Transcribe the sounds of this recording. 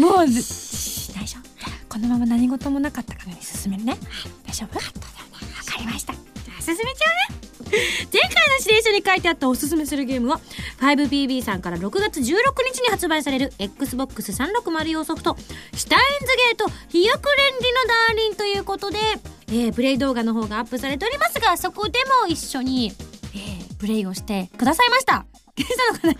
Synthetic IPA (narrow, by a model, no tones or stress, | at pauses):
moː | d̪aiɕoko̞no̞mamanaɲ̟iɡo̞t̪o̞mo̞nakat̪ːḁkanoɲʲisɨ̥sɨmeɾɯneat̪aɕobjokat̪ːḁβakaɾʲimaɕi̥t̪aaːsɨs̬ɨmet͡ɕaane̞ | zẽ̞ŋkaino̞ɕid̪ẽ̞ɰ̃ɕaɲ̟ikait̪e̞at̪ːao̞sɨs̬ɨme̞sɨɾɯ̟ɡe̞ːmɯ̟βaɸaibɯ̟bʲiːbʲiːsãŋkaɾaɾo̞kɯ̟ɡat͡sɨʑɨːɾo̞kɯ̟ɲ̟it͡ɕiɲ̟ihat͡sɨbaisaɾe̞ɾɯ̟ekːɯ̟sɨbo̞kːɯ̟sɨsãnɾo̞kɯ̟maɾɯ̟jo̞ːso̞ɸɯ̟̥t̪o̞ɕi̥t̪aĩnd͡zɨɡe̞ːt̪o̞çijokɯ̟ɾẽ̞nɾʲino̞d̪ãːɾʲĩnt̪o̞jɯ̟ːko̞t̪o̞d̪e̞eːpɯ̟ɾe̞id̪o̞ːɡano̞ɦo̞ːɡaːpːɯ̟saɾe̞t̪e̞o̞ɾʲimasɨɡaso̞ko̞d̪e̞mo̞iɕːo̞ɲ̟ieːpɯ̟ɾe̞io̞ɕi̥t̪e̞kɯd̪asaimaɕi̥t̪a | ɡẽsanokana